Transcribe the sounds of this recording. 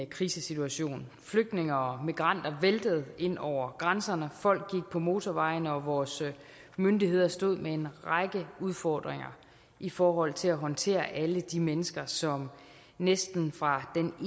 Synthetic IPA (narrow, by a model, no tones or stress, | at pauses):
kʰʁiːsəsit͡sʰuæɕo̝̰ːn | fløɡ̥̚d̥ne̝ŋɐɒ̽miɡ̥ʁɑ̈n̰d̥ɐʋeld̥əð̞̩ˠe̝n̰ɒʊ̰ɐɡ̥ʁansɐnəfɒ̽l̰ɡ̥̚ːiɡ̥̚pʰɒ̽mo̝ːt͡sʰɒʋɑ̈ɪnəɒ̽ʋɒːs | mønd̥iɦe̝ð̞̰ˠɐsd̥o̝ð̞̰ˠmee̝nʁɑɡ̥əuð̞ˠfɒ̰ːd̥ʁeŋɐ̰ | ʔifɒːɦɒ̽l̰t͡sʰe̝læɦɒ̽nt͡sʰe̝̰ːɐʔæləd̥imenəsɡ̥ɐsɒ̽m | nesd̥n̩fʁɑ̈d̥en